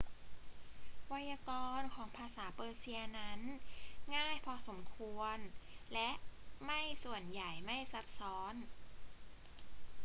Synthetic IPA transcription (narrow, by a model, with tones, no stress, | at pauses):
wa˧˥jaː˧kɔː˧nkʰɔː˩˦ŋpʰaː˧saː˩˦pɤː˧si˧ɐna˦˥nŋaː˥˩jpʰɔ˧so˩˦mkʰu˧ənlɛ˦˥ʔma˥˩jsu˨˩ənja˨˩jma˥˩jsa˦˥p̚sɔː˦˥n